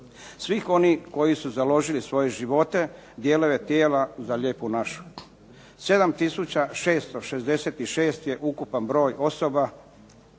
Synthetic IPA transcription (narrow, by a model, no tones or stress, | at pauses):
sʋixo̞niko̞jisuzalo̞ʒilisʋo̞je̞ʒiʋo̞t̪e̞ | d̪jeːlojet̪jeːlazaʎeːpunaʃu̥ | se̞d̪amt̪isut͡ɕaʃe̞ːst̪o̞ʃezd̪e̞seːt̪iʃeːst̪je̞ʔukupanbɾo̞ːjʔo̞so̞ba